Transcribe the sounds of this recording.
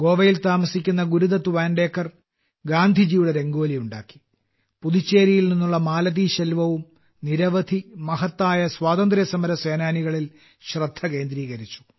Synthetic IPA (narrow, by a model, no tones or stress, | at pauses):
ɡo̞ːʋɐjilt̪aːmɐsikʲːunːɐɡuɾuðɐt̪uʋaːnɖe̞ːkːɐr | ɡaːnd̪ʱid͡ʑijuɽe̞ɾe̞ŋɡo̞ːlijuɳɖa̰ːkːi̥ | puðit͡ɕːe̞ːɾijilninːuɭːɐmaːlɐðiːɕɐlʋɐʋum | niɾɐʋɐd̪ʱimɐhɐt̪ːaːjɐswaːðɐnd̪ɾjɐsɐmɐɾɐse̞ːnaːniɣɐɭil | ɕrɐd̪ʱːɐke̞ːnd̪ɾiːɣɐɾit͡ɕːu̥